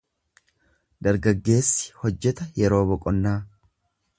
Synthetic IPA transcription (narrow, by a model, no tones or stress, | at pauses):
d̪ɐɾɡɐɡːe̞ːsːɪ̥hɔd͡ʒːɛt̪ɐjɛɾo̞ːbɔkʼɔnːaː